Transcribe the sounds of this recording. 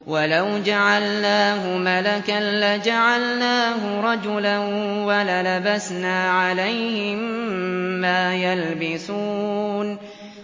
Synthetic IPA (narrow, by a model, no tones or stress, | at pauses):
walawd͡ʒaʕalnaːɦʊmalakanlad͡ʒaʕalnaːɦʊɾˤɑd͡ʒʊlan | walalabasnaːʕalajhɪmː | aːjalbɪsuːn